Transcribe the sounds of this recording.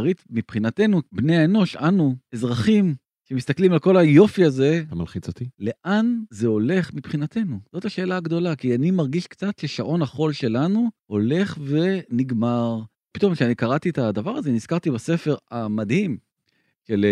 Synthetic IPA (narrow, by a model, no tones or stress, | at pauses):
ʁit̪mipχinate̞nubnejaeno̞ʃanuezʁaχim | ʃe̞mist̪aklimalko̞lajo̞fiaze̞ama̰lχit͡sot̪ile̞ʔanzeo̞le̞χmipχinat̪e̞nuz̥o̞t̪aʃe̞ːlaːɡd̪o̞lakianimaʁɡiʃkt͡sat̪ʃeʃaʔo̞naχo̞lʃe̞lanuo̞le̞χve̞niɡmaʁ | pit̪o̞mkʃeanikaʁat̪ietad̪avaʁaze̞niz̥kaʁt̪ibase̞fe̞ʁamad̪him | ʃel